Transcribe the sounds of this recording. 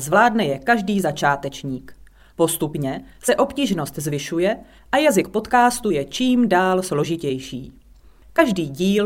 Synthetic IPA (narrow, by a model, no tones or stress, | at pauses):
zvlaːdnɛjɛkaʒdiːzat͡ʃaːt̪ɛt͡ʃɲiːk | po̞st̪upɲɛsɛʔo̞pciːʒno̞st̪zvɪʃujɛ | ʔajazɪk̚po̞t̪kaːst̪ujɛt͡ʃiːmdaːlslo̞ʒɪcɛjʃiː | kaʒdiːɟiːl